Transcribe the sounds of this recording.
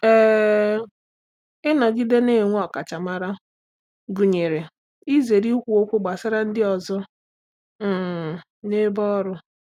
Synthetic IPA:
e˦˨ | ɪ˦nɔ˨ɡi˦de˦ne˦˨ŋʷ˦ɔ˨ka˨t͡ʃa˨ma˨ɾa˦ | ɡu˨ɲe˨ɾe˨ | i˦ze˨ɾi˦kʷu˨o˦kʷu˦ɡ͡ba˨sɪ˦ɾa˦n̩˦dɪ˦ɔ˨zɔ˦˨ | ne˦bɔ˦ɾʊ˦

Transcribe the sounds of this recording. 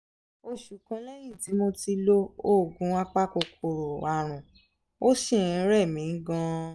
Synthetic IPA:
o˧ʃu˨kã˨˧lɛ˦j̃ĩ˦˨ti˨˦mo˧ti˧lo˦o˦˨ɡũ˨˦wa˦k͡pa˦ko˧kʰo˧˨ɾo˨wa˧ɾ̃ũ˨ | o˦ʃĩ˦˨ĩ˨˦ɾɛ˦˨mĩ˨˦n̩˦ɡã˦

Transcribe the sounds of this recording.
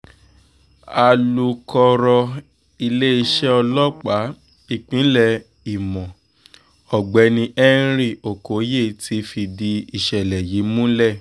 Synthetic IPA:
a˧lu˧kɔ˧ɾɔ˧ | i˧le˦i˧ʃɛ˦ɔ˧lɔ˦k͡pa˨˦ | i˨k͡pĩ˨˦lɛ˦˨ | i˨mɔ̃˨ | ɔ˨ɡ͡bɛ˨˦nĩ˧ʔɛ˦ɾ̃i˦˨o˨ko˨˦je˦˨tʰi˧˦fi˧di˧i˨ʃɛ˨lɛ˨ji˨˦mũ˦lɛ˦˨

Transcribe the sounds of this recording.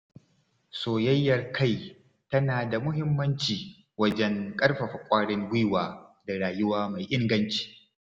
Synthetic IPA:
soː˨jɐ˦jːɐ˨rkʰa˦˨j | tɐ˦naː˨da˨mʊ˦ɦɪ˦mːɐ˦nt͡ʃiː˨ | wɐ˦d͡ʒɛ˦ŋkʼɐ˦ɽɸa˨ɸɐ˨kʷʼaː˦ɽɪ˦ŋɡʷɪ˦waː˨da˨ɽaː˨jʊ˦waː˦ma˨jʔɪ˦ŋɡɐ˦nt͡ʃi̥ː˨

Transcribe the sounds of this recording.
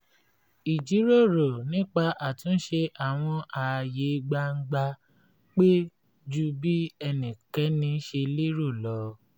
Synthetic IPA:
i˨d͡ʒi˨˦ɾo˦˨ɾo˨nĩ˦k͡pa˧ʔa˨tũ˨˦n̩˦ʃe˧ʔa˨w̃ɔ̃˧ʔa˨˧je˨˦ɡ͡ba˧ŋ̩˦ɡ͡ba˧ | k͡pe˦ | d͡ʒu˦bi˦ɛ˧nĩ˨kɛ˨˦nĩ˧˦ʃe˧li˦ɾo˦˨lɔ˨˦

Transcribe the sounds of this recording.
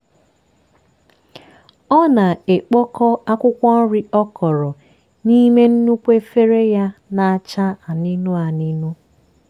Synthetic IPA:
ɔ˦na˨e˨k͡pɔ˦kɔ˦a˦kʷʊ˦kʷɔ˦ɾɪ˦ɔ˦kɔ˨ɾɔ˨ | ni˦me˦n̩˦nu˦kʷe˦fe˦ɾe˦ja˦na˨a˨t͡ʃa˦a˨ni˦nu˦a˨ni˦nu˦

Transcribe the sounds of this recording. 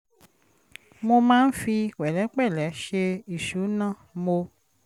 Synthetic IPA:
mo˧mãː˦n̩˦fi˧wɛ˨lɛ˨˦k͡pɛ˦˨lɛ˨˦ʃe˧i˦˨ʃu˨˦nã˦˨mo˧

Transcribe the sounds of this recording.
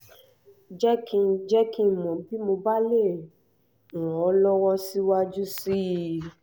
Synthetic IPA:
d͡ʒɛ˦kĩ˧d͡ʒɛ˦kĩ˦˨mɔ̃˨˦bi˦mo˧ba˦le˦˨ | ɾ̃ɔ̃˨ɔ˨˦lɔ˦wɔ˦si˦wa˦d͡ʒu˦si˦˨

